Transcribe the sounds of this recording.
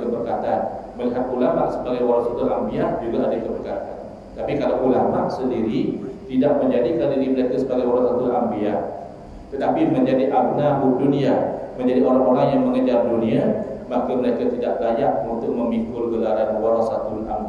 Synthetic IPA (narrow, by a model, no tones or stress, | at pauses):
kəbərkat̪anməliɦat̪̚ulamaʔsəbaɡajwaɾasat̪ʊnambiad͡ʒuɡaadakəbərkat̪a̰n | t̪apikalawʔulamaʔsəndiɾit̪idaʔməɲd͡ʒadikandiɡiməɾekasəbaɡajwaɾasat̪unambia | t̪ət̪apimə̃ɲd͡ʒadiʔabnaʔudunĩamə̃ɲd͡ʒadiʔoɾaŋoɾaŋjaŋməŋəd͡ʒarduniamakaməɾekat̪idaʔlajaʔunt̪ʊʔ̚məmikʊlɡəlaɾanwaɾasat̪ʊna̰mb